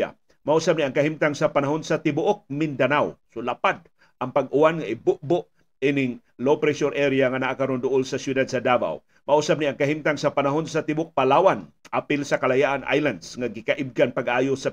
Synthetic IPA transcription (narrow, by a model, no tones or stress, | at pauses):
a̰ | mɐʔusab̚niʔaŋkɐɦimt̪aŋsɐpanaɦonsɐt̪ɪbʊʔok̚mɪnd̪anawsolapad̪̚ | ʔɐŋpaɡ̚ʔʊwanŋaʔɪbʊʔbʊʔ | inɪŋ | lowpɾɛʃoɾʔɛɾiaŋanaʔakaɾond̪ʊʔolsɐsjʊd̪ad̪̚sɐd̪aːba̰w | mɐʔusab̚niʔaŋkɐɦimt̪aŋsɐpanaɦonsat̪ɪbok̚palawan | ʔapɪlsɐkalajaʔanʔa̰jland̪sŋaɡɪkaʔɪb̚ɡanpaɡʔaːjosa